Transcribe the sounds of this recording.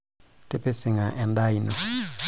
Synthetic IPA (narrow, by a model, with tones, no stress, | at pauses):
tʼe˦pe˦sɪ˨ŋa˨ʔɛ˨nda˦inɔ˨